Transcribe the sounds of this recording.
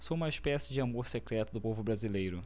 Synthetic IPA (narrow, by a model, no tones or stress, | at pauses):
soũmɐeʃpɛsɪd͡ʒɪamoɾsekɾɛt̪ʊd̪ʊpovʊbɾazilejɾʊ